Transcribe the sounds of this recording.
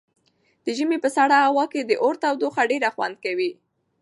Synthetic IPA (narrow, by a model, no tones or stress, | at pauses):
d̪̥əʒəmepəsaɽaawɑked̪əʔoɾt̪awd̪oxaɖeɾaxwa̰nd̪̚kawi